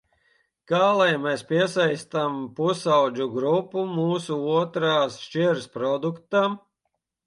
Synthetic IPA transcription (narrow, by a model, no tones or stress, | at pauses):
kaːlˠajmɛspʲiɛsajst̪ampusawd͡ʒuɡɾupːumuːsuuɔt̪ɾaːsʃt͡ʃiɛɾspɾɔd̪ukt̪a